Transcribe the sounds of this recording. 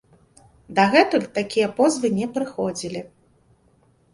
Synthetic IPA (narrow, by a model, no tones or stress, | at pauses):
d̪ɐɣɛt̪ulʲt̪akʲijɐpɔzvɨnʲɛpɾɨxɔd͡zʲilʲi